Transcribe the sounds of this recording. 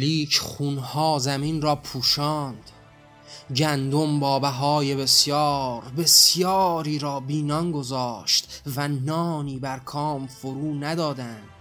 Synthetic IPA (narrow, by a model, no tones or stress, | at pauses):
liːkʰχuːnhɒːzæmiːnrɒːpʰuːʃɒːnd̪̥ | ɡænd̪ombɒːbæɦɒːje̞be̞sjɒːɾbe̞sjɒːɾiːɾɒːbiːnɒnɡo̞zɒːʃt̪vænɒːniːbæɾkʰɒːmfoɾuːnæd̪ɒːd̪ænd̪̥